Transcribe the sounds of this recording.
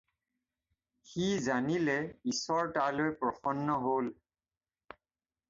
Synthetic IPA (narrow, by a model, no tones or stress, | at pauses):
xizanilɛisɔɹtalojpɹɔxɔnːɔɦol